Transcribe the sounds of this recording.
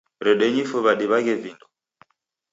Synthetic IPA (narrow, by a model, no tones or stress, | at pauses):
ɾɛɗɛɲifuβaɗiβaɣɛvindɔ